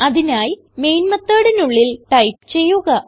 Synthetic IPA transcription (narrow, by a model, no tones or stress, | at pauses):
ɐðinaːj | me̞jnmɐt̪ːɐːɽenuɭːilʈɐjpt͡ɕe̞jːuɣɐ